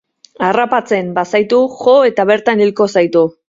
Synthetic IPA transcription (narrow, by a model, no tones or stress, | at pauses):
arapat͡se̞mbasajt̪uʝo̞e̞t̪aβe̞ɾt̪anilko̞sajt̪u